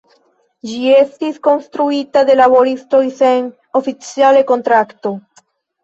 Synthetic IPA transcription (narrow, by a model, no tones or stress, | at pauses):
d͡ʒie̞stisko̞nst̪ɾuitad̪e̞labo̞ɾisto̞jse̞n | o̞fit͡siale̞ko̞nt̪ɾakto̞